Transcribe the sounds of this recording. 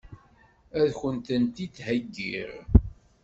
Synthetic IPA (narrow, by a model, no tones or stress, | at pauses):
æðçənt̪ənt̪it͡sːhæɡːḭɾ